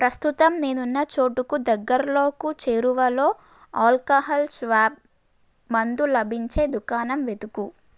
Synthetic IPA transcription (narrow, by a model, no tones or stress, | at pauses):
pɾɐst̪ut̪ɐmne̞ːnunːɐt͡ʃo̞ːʈukud̪ɐɡːɐɾɐlo̞ːkut͡ʃeːɾuʋɐlo̞ː | aːlkaːɦɐlsʋaːb̚ | mɐnd̪ulɐbʱiɲt͡ʃe̞ːd̪ukaːnɐmʋe̞d̪uku